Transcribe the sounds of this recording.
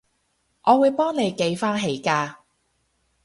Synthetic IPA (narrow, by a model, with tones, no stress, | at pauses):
ʔɔː˨˧wuː˨˧jpɔː˥ŋne˨˧jke˨˧jfaː˥nɦe˨˥jkaː˧